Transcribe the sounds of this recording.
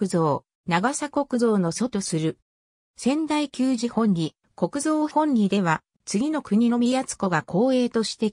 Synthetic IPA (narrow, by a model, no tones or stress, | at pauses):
ɯzo̞ː | naɡasako̞kɯ̟zo̞ːno̞so̞t̪o̞sɨɾɯ̟ | sẽ̞nd̪aikʲɨːʑihõ̞ɲ̟ʲːi | ko̞kɯ̟zo̞ːhõ̞ɲʲɾʲid̪e̞β̞a | t͡sɨɡʲino̞kɯ̟ɲ̟ino̞mʲijat͡sɨ̥ko̞ɡakʰo̞ːe̞ːt̪o̞ɕi̥t̪e̞